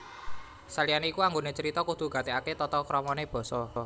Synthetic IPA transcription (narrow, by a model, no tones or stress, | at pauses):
salijanikuaŋɡonet͡ʃəɾit̪ɔkut̪ṳɡ̥a̤t̪eaket̪ɔt̪ɔkɾɔmɔneb̥ɔ̤sɔ